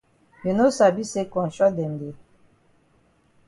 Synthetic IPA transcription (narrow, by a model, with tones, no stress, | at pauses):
ji˨no˦sa˨bi˦se˦kɔ˨n˨t͡ʃʼɔ˦d̪ɛ˨nde˨